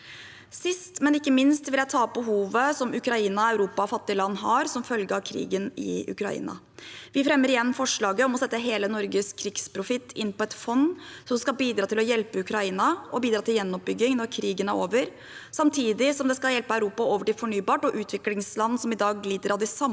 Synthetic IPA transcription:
sɪst̪mɛnɪkːəmɪnst̪ʋɪljæt̪ʰɑːbəɦuːʋəsɔmʉkɾɑiːnɑɑʉɾuːpɑfɑt̪ːɪlɑnːɦɑɾsɔmfœlɡəɑʋkʰɾḭːɡənɪ̰ʉ̰kɾɑ̰ḭːnɑ̰ | ʋɪfɾɛmːəɾɪjɛnːfɔʂɭɑːɡəɔmɔsɛt̪ːəɦeːlənɔɾɡəskʰɾɪɡspʰɾʊfɪt̪ʰːɪnːpʰɔɛt̪fɔnːsɔmskɑbiːd̪ɾɑːt̪ʰɪlɔjɛlpəʉkɾɑiːnɑʔɔbiːd̪ɾɑːt̪ʰɪljɛnːɔp̚bʏɡːɪŋnɔɾkʰɾiːɡənæɾoːʋəɾ | sɑmt̪ʰiːd̪ɪsɔmd̪ɛskɑljɛlpəæʉɾuːpɑoːʋəʈɪfɔɳyːbɑːʈɔʔʉːt̪ʰʋɪklɪŋslɑnːsɔmɪd̪ɑːɡliːd̪əɾɑd̪ɪsɑm

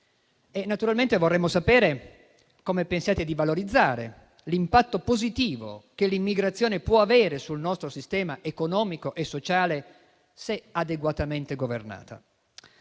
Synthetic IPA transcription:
enːat̪uɾalment̪evorːɛmːosapɛːɾe | komepensjaːt̪ed̪ivaloɾid̪zːaːɾḛ | limpat̪ːopozit̪iːvo̰kelimːiɡɾat̪sːjoːnepwɔaveːɾesulnɔst̪ɾosist̪ɛːmaʔekonɔːmikoʔesːot͡ʃaːle | sead̪eɡwat̪ament̪eɡovḛrna̰ːt̪a̰

